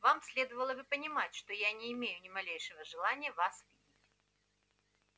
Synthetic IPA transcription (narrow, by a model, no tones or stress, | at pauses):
vamsʲlʲe̞d̪əvəlˠəbɨpənʲɪmatʲʂt̪ojanʲɪːmʲejʊnʲɪmɐlʲejʂɨvəʐɨlˠanʲɪjəvasvʲɨɪtʲ